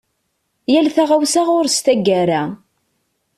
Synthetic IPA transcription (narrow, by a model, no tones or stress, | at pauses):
jælθaʁawsaʁʊɾst̪æɡːæɾæ